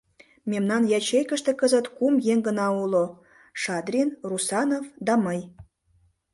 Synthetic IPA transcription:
memnɑnjɑt͡ɕejkə̆ʃt̪ĕkəzət̪kumjeŋɡə̆nɑulo | ʃɑd̪rʲinrusɑnofd̪ɑməj

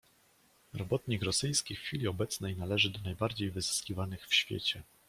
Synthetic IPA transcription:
ɾɔbɔt̪ɲikɾɔsɘjskʲixːfʲilʲiɔbɛt̪snɛjnalɛʐɘd̪ɔnajbaɾd͡ʑejvɘzɘskʲivanɘxfɕfʲjḛt͡ɕɛ

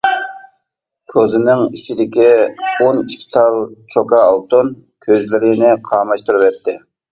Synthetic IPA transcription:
kʲʰozɪnɪŋit͡ʃʰid̪ɪkʲioniʃkʲʰi̥t̪ʰɑlˠt͡ʃʰokɑːlˠt̪un | kʲʰøzlɪɾɪnɪqʰɑːmɑʃt̪uɾuvɛt̪ʰːɪ

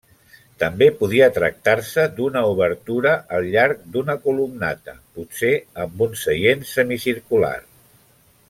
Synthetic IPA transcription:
t̪əmbepuð̞iət̪ɾə̰k̚t̪arsəd̪unəuβ̞əɾt̪uɾəʔəlˠʎaɾk̚d̪unəkulumna̰t̪ə̰putseəmbunsəjensəmisiɾkula̰r

